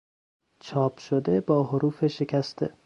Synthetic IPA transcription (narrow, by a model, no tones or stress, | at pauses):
t͡ʃʰɒːpʃod̪ebɒːɦoɾuːfeʃekʰæst̪ʰḛ